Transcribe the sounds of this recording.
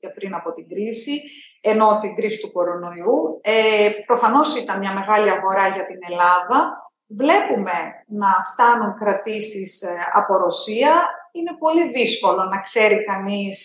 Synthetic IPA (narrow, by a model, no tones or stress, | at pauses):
epɾinɐpo̞t̪iɡɾisi | e̞no̞t̪iŋɡɾisi̥t̪uko̞ɾo̞no̞iuepɾo̞fɐno̞sit̪ɐnmɲɐme̞ɣɐliɐɣo̞ɾɐʝɐt̪ine̞lɐðɐ | vle̞pume̞nɐft̪ɐnuŋkɾɐt̪isisɐ̰po̞ɾo̞siɐine̞po̞liðisko̞lo̞nɐkse̞ɾikɐnis